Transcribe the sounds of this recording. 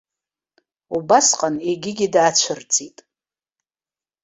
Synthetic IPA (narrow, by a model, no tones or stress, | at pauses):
ubasqʼaneɡʲɪɡʲidaːt͡ɕʷʰɨrt͡sʼitʼ